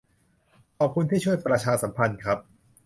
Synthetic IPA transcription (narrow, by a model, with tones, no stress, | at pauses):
ʔɔː˨˩p̚kʰu˧nt̪ʰiː˥˩t͡ɕʰu˥˩əjpɾa˧t͡ɕʰaː˧sa˩˦mpʰa˧nkʰɾa˦˥p̚